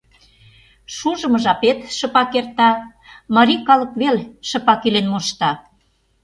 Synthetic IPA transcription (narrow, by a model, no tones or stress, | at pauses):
ʃuʒə̆mɤ̆ʒɑpet̪ʃə̆pɑkert̪ɑ | mɑɾʲikɑlɤ̆kβelʃə̆pɑkilenmoʃt̪ɑ